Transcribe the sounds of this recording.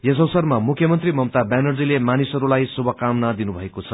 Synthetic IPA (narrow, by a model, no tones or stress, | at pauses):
jʌs̬ʌwsʌrmamukʰjʌmʌnt̪rimʌmt̪abanʌrd͡zilemanisʌɾulajsubʱʌkamnad̪inubʱʌekot͡sʰʌ